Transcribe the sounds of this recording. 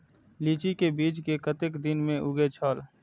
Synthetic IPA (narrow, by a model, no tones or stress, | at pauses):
liːt͡ʃikebiːt͡ʃkekət̪ɪkd̪ɪnmẽʔʊɡet͡ʃʰɔːl